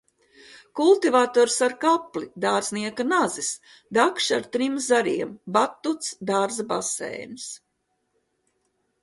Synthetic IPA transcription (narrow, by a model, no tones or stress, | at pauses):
kulˠt̪ivaːt̪ɔːɾsaɾkaplid̪aːɾzniɛkanazis | d̪akʃaɾt̪ɾimzaɾiɛmbat̪ːut̪sd̪aːɾzabasɛ̰ːjns